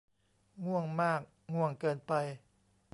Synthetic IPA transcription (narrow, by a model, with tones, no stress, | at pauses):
ŋu˥˩əŋmaː˥˩k̚ | ŋu˥˩əŋkɤː˧npa˧j